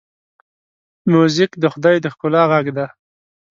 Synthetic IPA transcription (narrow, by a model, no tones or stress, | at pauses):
muzɪkd̪əxʊd̪ɑjd̪əxkʊlɑɣaɡd̪a